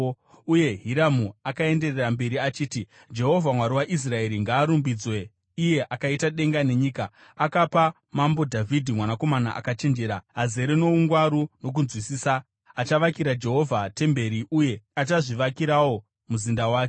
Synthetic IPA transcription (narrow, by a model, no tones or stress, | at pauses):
uje̞ɦiɾamuakae̞nde̞rerambe̞ɾiat͡ʃiːti | d͡ʒe̞ɦo̞vʱamwaɾiwaʔis̬rae̞ɾiŋɡaːɾumbid͡zwe̞ | ije̞ʔakaitaɗe̞ŋɡane̞ɲiːka | akapa | mambo̞dʱavʱidʱimwanako̞mana̰ʔa̰kat͡ʃe̞nd͡ʒeɾaɦaze̞ɾeno̞uŋɡwaɾuno̞k̬unzwisiːsa | at͡ʃaʋakiɾad͡ʒe̞ɦo̞vʱate̞mbe̞ɾiʔuje̞at͡ʃaʐiʋakiɾawo̞ | muzindawaːke̥